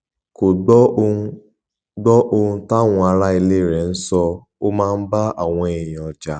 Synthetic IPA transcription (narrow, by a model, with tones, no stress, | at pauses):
ko˨ɡ͡bɔ˦˧˦ | ɡ͡bɔ˦ʔo˧hũ˦ta˦ŋʷɔ̃˨a˧˦ɾa˦i˧le˦˨ɾɛ˨n̩˦sɔ˧ | o˦mãː˦n̩˦ba˦ʔa˨w̃ʷɔ̃˨˦e˨jĩ˨ɔ˨d͡ʒa˧